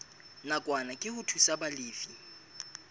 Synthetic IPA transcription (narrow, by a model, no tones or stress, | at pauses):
nakʼwanakʼɪhʊtʰusabaleːfi